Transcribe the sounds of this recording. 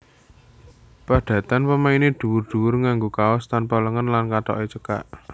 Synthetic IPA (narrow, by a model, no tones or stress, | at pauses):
paɖ̪̥ä̤t̪anpəmained̪̥ṳwʊrd̪̥ṳwʊrŋaŋɡokaɔst̪anpɔləŋənlankat̪ɔ̰ʔet͡ʃəka̰ʔ